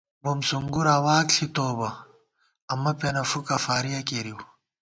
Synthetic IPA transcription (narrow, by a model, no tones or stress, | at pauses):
bomsuŋɡuɾaːwaːkɬʰit̪oːbɐ | ɐmɐpɐnɐfukɐfaːɾijɐkeɾiw